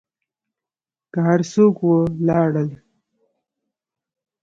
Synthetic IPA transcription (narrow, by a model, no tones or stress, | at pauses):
kəɦaɾsokwəlɑɽəl